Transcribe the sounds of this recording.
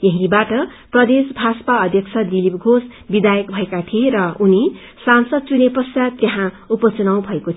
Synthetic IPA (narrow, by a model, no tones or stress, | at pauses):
jʌɦĩbaʈʌprʌd̪esbʱaspaʌd̪ʱjʌksʰʌd̪ilip̚ɡʱosbid̪ajʌkbʱʌekat̪ʰieɾʌuni | sansʌd̪̚t͡sunepʌsjat̪ːjeɦã | upʌt͡sunaw̃bʱʌeko